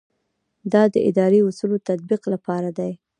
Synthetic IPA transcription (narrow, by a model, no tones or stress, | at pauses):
d̪ɑd̪əʔɪ̰d̪ɑɾeʊsulot̪at̪̚biqlapɑɾad̪aj